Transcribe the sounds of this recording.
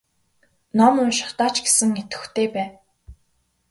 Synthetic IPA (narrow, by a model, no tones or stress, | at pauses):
nɔmʊnʃɪ̥χt̪aːt͡ɕɡe̥sɘ̆ŋet̪ɘ̥̆xt̪ʰeːpæːn